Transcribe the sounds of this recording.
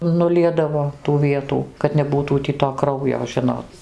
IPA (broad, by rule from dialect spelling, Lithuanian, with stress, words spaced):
nʊˈlʲiɛdɐʋoː tuː ˈʋʲiɛtuː kɐt nʲɛˈbuːtuː tʲiː toː ˈkrɐʊjoː ˈʒʲɪnoːt